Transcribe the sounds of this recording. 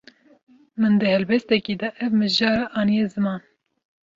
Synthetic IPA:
mɨnd̪ɨhɛlbɛst̪ɛkiːd̪ɛʔɛvmɨʒɑːɾɑʔɑːnijezɨmɑːn

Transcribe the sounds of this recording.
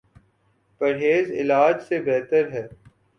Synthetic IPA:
pɐɾɦeːzɪ̰laːd͡ʒsebɛɦːt̪əɾɦɛː

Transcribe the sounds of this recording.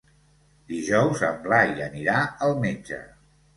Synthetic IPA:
d̪iʒɔwzəmblaiəniɾaəlˠmed͡ʒə̰

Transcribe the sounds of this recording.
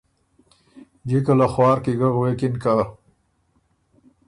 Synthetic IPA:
d͡ʒikəlaxwɑːɾkiɡaɣwekinka

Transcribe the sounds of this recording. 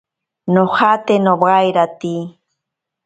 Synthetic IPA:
noχat̪enobɢɑjɾat̪i

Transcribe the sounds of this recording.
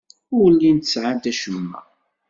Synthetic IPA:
ʊɾlːint̪əsʕant̪æʃəmːæ̰

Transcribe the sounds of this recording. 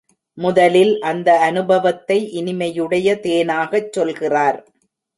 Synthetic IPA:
mʊðɐlɪlʔɐnd̪ɐɐnɯbɐʋɐt̪ːɐɪʔɪnɪmɐjɯɽɐjɐt̪eːnaːɣɐt͡ʃːɔlɣɪraːɾ

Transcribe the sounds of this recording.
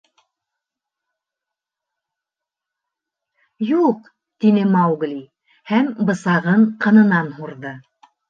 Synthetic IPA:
juq | t̪inɘmɑwɡlʲi | hæmbɤ̆sɑʁɤɴqɤ̆nɤ̆nɑnhuɾðɤ

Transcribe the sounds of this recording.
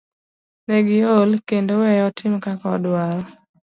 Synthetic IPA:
nɛɡɪolkendowɛjɔtʰɪmkakaɔdwaɾɔ

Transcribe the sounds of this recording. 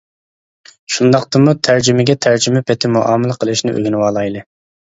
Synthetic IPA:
ʃund̪ɑq̚t̪ɨmut̪ʰæɾd͡ʒymɪɡʲɛt̪ʰæɾd͡ʒymɛpʰɛt̪ʰɪmuʔɑ̰ːmɨlˠəqʰəlˠɨʃnɪʔø̰ɡʲinɪwɑːlˠɑjlˠɨ

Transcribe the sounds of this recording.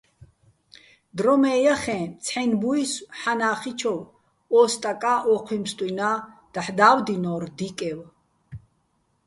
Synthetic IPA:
d̪ɾɔmɛːjaχɛ̃t͡sʰħɛnbuisħanaːχit͡ʃʰɔw | ɔst̪ʼakʼaʔɔqʰwimst̪ʼwina | d̪̥aħd̪aːwd̪inɔːɾd̪ikʼɛw

